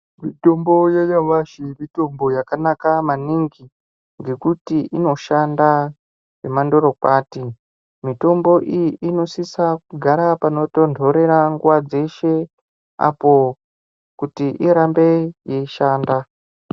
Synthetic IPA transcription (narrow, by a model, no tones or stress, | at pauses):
mito̞mbo̞jejaʋaʃimito̞mbo̞jakanakamaniŋɡi | ŋɡe̞kutiʔino̞ʃanda | ʐe̞mando̞ɾo̞kwaːti | mito̞mbo̞ʔijiʔino̞sisak̚uɡʱaɾapano̞to̞ndʱo̞ɾe̞ɾaŋɡuwad͡ze̞ʃe̞ | a̰po̞ | kutiʔiɾambe̞jeiʃaːnda